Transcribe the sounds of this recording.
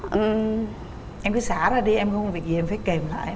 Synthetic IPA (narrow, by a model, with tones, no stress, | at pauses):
ʔɨ˨˩ | ʔɛ˧mkɨ˨˦saː˧˩˦zaː˧˩ɗi˧ʔɛ˧mxvi˨˩ək̚zi˨ɛ˧mfaː˧˨˦jke˨˩mla̰ː˧˨jʔ